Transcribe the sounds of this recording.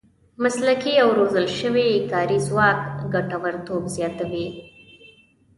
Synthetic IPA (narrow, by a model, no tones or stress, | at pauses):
maslakiawɾozəlʃəwekɑɾizwɑːkɡaʈawaɾt̪obzjɑt̪awi